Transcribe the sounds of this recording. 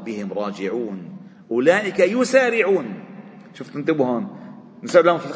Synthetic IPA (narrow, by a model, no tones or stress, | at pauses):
bɪhɪmɾˤɑːd͡ʒɪʕuːn | ʔʊlaːʔɪkajʊsaːɾɪʕuːn | ʃʊft̪nɪnt̪ˤɪbhaːn | nɪsʕɪd̪lahʊmfi